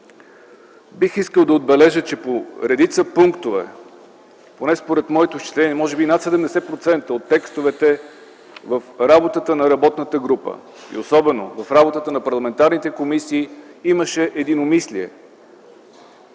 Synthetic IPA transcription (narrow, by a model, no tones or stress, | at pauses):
bixiskəlˠd̪ɐod̪̚bɛlɛʒət͡ʃɛpoɾɛd̪it̪səpuŋkt̪ovɛ̰ | ponɛspoɾɛt̪mɔɛt̪ot͡ʃi̥t̪lɛniɛmɔʒɛbinat̪sɛd̪ɛmd̪ɛsɛpɾot̪sɛnt̪əot̪ːɛkst̪ovɛt̪ɛ | vəfɾabot̪ət̪ənɐɾɐbɔt̪nət̪əɡɾupə̰ | ḭosɔbɛno̰vɐfɾabot̪ət̪ənɐpɐɾlˠɐmɛnt̪aɾnit̪ɛkomisiːiməʃɛʔɛd̪inomisliɛ̰